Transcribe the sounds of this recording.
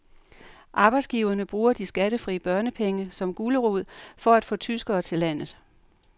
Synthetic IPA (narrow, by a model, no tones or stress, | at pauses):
ʔɑ̈ːb̥ɑɪdsɡ̥iʊɐnəb̥ʁuːɐd̥isɡ̥æɾ̥əfʁḭːəb̥ɶɐnəpʰeŋəsɒ̽mɡ̥uːləʁuð̞̰ˠfɒ̽æd̥fɔ̽ːt͡sʰysɡ̥ɐːt͡sʰe̝læn̰ð̩ˠ